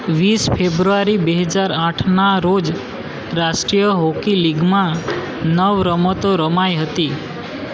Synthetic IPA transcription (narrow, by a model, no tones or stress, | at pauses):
ʋispʰebɾuaɾibeɦəd͡ʒaɾaʈʰnaɾod͡ʒ | ɾaʃʈɾijəɦokiliɡmã | nəʋɾəmət̪oɾəmajɦət̪i